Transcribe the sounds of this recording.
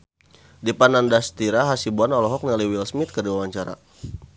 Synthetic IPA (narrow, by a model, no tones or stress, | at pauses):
dipanandast̪iɾaɦasibuanɔlɔɦɔk̚naliwilsmɪt̪̚kərdiwawaɲt͡ʃaɾa̰